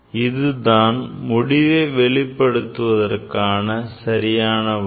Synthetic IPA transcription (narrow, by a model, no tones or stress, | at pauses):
ɪðɯðaːnmʊɽɪʋeːʋɛɭɪpːɐɽɯt̪ːɯʋɐðɐrkaːnɐsɐɾɪjaːnɐ